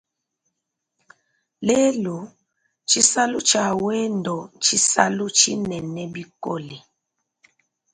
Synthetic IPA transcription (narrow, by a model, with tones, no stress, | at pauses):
le˦lu˨ | t͡ʃi˦sa˦lu˦t͡ʃa˨wɛ˦ndɔ˨t͡ʃi˦sa̰˦lu˦t͡ʃi˦nɛ˨nɛ˦bi˦ko˦li˨